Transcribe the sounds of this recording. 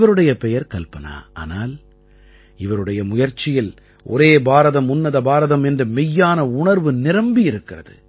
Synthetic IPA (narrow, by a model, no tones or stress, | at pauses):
ʋɐɾɯɽɐjɐpɛjɐɾkɐlpɐna̰ːʔa̰ːnaːl | ɪʋɐɾɯɽɐjɐmʊjɐɾt͡ʃːɪjɪl | ʔɔ̰ɾeːbaːɾɐðɐmʊnːɐðɐbaːɾɐðɐmɛndrɯmɪjːaːnɐʊɳɐɾʋɯnɪɾɐmbijɪɾɯkːɪrɐðɯ̰